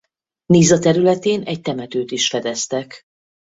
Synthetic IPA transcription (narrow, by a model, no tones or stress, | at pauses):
niːzɒt̪ɛɾylɛt̪eːnɛc̚t̪ɛmɛt̪øːt̪iʃfɛd̪ɛst̪ɛk